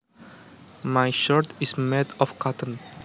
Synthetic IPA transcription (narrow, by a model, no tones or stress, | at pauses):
majʃɔɹtismedɔfkʰatʰə̃n